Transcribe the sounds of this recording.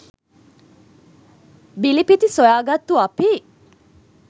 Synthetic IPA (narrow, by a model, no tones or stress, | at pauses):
bilipit̪isojaːɡat̪ːuapi